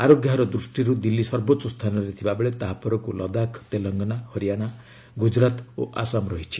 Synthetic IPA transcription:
aɾoɡjaɦɾɔd̪ɾusʈiɾud̪ilːisɔɾbotːsɔst̪ʰanɔɾet̪ʰibabeɭet̪aɦapɔɾɔkulʔɔd̪akʰt̪elɔŋɡɔnahɔɾijaɽ̃a | ɡud͡ʒɾat̪o̰ʔasamɾɔɦit͡ʃʰi̥

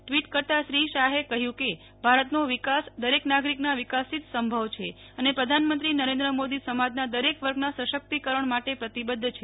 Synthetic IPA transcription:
ʈʋiʈkəɾt̪aʃɾiʃaɦekəɦjũke | bʱaɾət̪noʋikasd̪əɾeknaɡɾiknaʋikasit̪səmbʱəʋt͡ʃʰe | ənepɾəd̪ʱanmənt̪ɾinəɾẽnd̪ɾəmod̪isəmad͡ʒ̪nad̪əɾekʋəɾɡnasəʃək̚t̪ikəɾəɳmaʈepɾət̪ibəd̪ʱːt͡ʃʰe

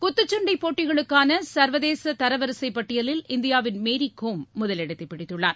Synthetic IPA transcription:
kʊt̪ːɯt͡ʃːɐɳɖɐɪpːoːʈːɪɣɐɭɯkːaːnɐsɐɾʋɐðeːsɐt̪ɐɾɐʋɐɾɯsɐɪpːɐʈːɪjɐlɪlɪnd̪ɪjaːʋɪnmeːɾikːoːmːʊðɐlɪɽɐt̪ːɪpːɪɽɪt̪ːɯɭːaːɾ

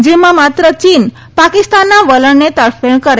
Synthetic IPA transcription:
d͡ʑimamat̪ɾət͡ɕiːn | pakist̪anːaʋələɳnet̪əɾfeɳkəɾ

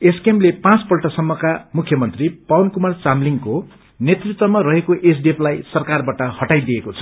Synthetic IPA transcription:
eskemlepãt͡spʌlʈʌsʌmːʌkamukʰjʌmʌnt̪ripawnkumart͡samliŋko | net̪rit̪wʌmaɾʌɦekoʔes̬ɖeplajsʌrkarbaʈʌhʌʈajd̪iekot͡sʰʌ̥

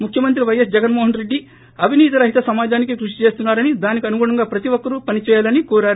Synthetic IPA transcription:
mukʰjɐmɐnt̪ɾiʋɐjɐs̬d͡ʒɛɡɐnmoːɦɐnɾe̞ɖːi | ɐbʱiniːt̪̬ilɐɦit̪ɐsɐmaːd͡ʒaːnik̬ikɾuʂ̬i̥t͡ʃe̞ːst̪unːaːɾɐnid̪aːnikiɐnuɡuːɽɐŋɡaːpɾɐt̪iʋɔkːɐɾupɐnit͡ʃɛːjaːlɐnikɔːɾaːɾu

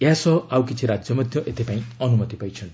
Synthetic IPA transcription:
jasɔawkit͡sʰiɾad͡zjɔmʌd̪ʱjʌʔet̪ʰipaĩʌnumʌt̪ipajt͡ʃʰʌn

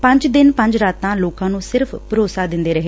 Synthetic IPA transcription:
pə̃ɲd͡ʒd̪ɪnpə̃ɲd͡ʒɾaːt̪ːãːloːkãːnũːsɪɾpʰpəɾoːsaːd̪ɪnd̪eːɾəɦeː

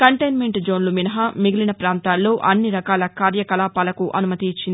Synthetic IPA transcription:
kɐɳʈɐjnmeɳʈd͡ʒo̞ːnluminɐɦɐmiɡilinɐpɾaːnt̪aːlːo̞ːʔɐnːiɾɐkaːlɐkaːɾjɐkɐlaːpaːlɐkuʔɐnumɐt̪iːt͡ʃːind̪

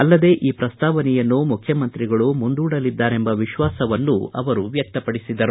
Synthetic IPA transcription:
ɐlːɐd̪e̞ːʔʔiːpɾɐst̪ʰaːʋɐnɛjɐnːumukʰjɐmɐnt̪ɾiɡɐɭumund̪uːɽɐlid̪ːaːɾe̞mbɐʋiʃʋaːsɐʋɐnːuɐ̰ʋɐɾuʋjɐk̚t̪ɐpɐɽisid̪ɐɾu

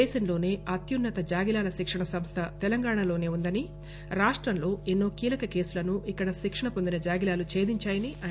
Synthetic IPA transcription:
ɛːʃɐmlo̞ːne̞ːʔɐt̪junːɐt̪ɐd͡ʒaːɡilaːlɐʃikʂɐɳɐsɐmst̪ʰɐt̪ɛlɐŋɡaːɳalo̞ːne̞ːund̪ɐni | ɾaːʂʈɾɐmlo̞ːenːo̞ːkiːlɐkɐke̞ːsulɐnuʔikːɐɽɐʃikʂɐɳɐpo̞nd̪inɐd͡ʒaːɡilaːlut͡ʃe̞ːd̪iɲt͡ʃaːjɐniɐ

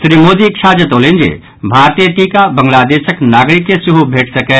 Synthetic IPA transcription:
sɾiːmoːd̪ikʃaːd͡ʒət̪oːlẽːnd͡ʒḛː | bʱaːɾt̪ijəʈiːkabɐ̃ŋɡlaːd̪eːʃəknaːɡɾɪkːesʊɦubʱeːʈʰsɐkɛː

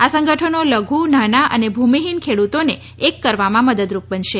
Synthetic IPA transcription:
asə̃ŋɡəʈʰənoləɡʱunanaʔə̰nebʱumiɦinkʰeɽut̪one | ekːəɾʋamãməd̪əd̪ɾup̚bənʃe

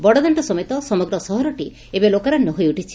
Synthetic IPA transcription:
bɔɽɔd̪ɔɳʈɔsɔmet̪ɔsɔmɔɡɾɔsɔɦɔɾɔʈi | ebelokaɾanɔɦojuʈit͡ʃʰi̥

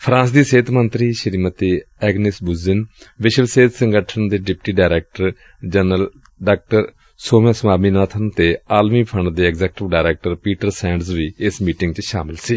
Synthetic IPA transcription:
pʰɾãːnsd̪iːseːt̪mənt̪ɾiːʃəɾiːmət̪iːɛːɡnɪsbʊzɪnʋɪʃəʋseːt̪səŋɡəʈʰənd̪eːɖɪpʈiːɖaːɾɛːk̚ʈəɾ | d͡ʒənəl | ɖaːk̚ʈəɾ | soːmãːsəmaːmiːnaːt̪ʰənt̪eːaːlmiːpʰəɳɖd̪eːɛɡzɛːk̚ʈɪʋɖaːɾɛːk̚ʈəɾpiːʈəɾsɛ̃ːɳɖzʋiːɪsmiːʈɪŋɡt͡ʃʃaːmɪlsiː

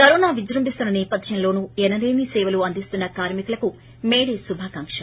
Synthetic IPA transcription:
kɐɾoːnaːʋid͡ʒɾɐmbist̪unːɐnɛːpɐd̪ʰʱjɐnlo̞ːnuːɛnɐɾeːmiːsɛːʋɐluɐnd̪ist̪unːɐkaːɾmikulɐku | meːɽeːsubʱaːkaŋkʂɐ

